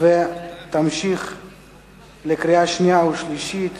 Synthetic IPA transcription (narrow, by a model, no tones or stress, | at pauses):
vet̪amʃiχ | lekɾiaʃniauʃliʃit̪